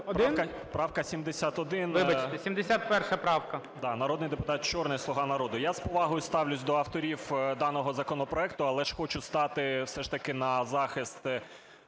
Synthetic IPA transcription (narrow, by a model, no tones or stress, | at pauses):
dpɾnkɐ | pɾɑwkɐsʲimd̪esʲat̪ɔd̪ɪnʋɪbɐt͡ʃt̪ɛsʲimd̪esʲat̪̚pɛrʃɐpɾɑwkɐ | d̪ɑnɐɾɔd̪nɪjd̪epʊt̪ɑt̪̚t͡ʃɔrnɪjslˠɔɦɑnɐɾɔd̪ʊjaspɔʋɑɦɔjʊst̪ɑwlʲʊsʲd̪ɔɐwt̪ɔɾʲiwd̪ɑnɔɦɔzɐkɔnɔpɾɔɛkt̪ʊɐlˠɛʃxɔt͡ʃʊst̪ɑt̪ɪwsɛʃt̪ɐkɪnɐzɑxɪst̪